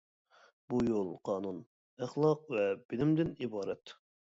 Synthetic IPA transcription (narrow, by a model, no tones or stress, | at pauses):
b̥ujolˠqʰɑːnun | æχlˠɑq̚vɛb̥ɪlɪmd̪ɪnibɑːɾɛt̪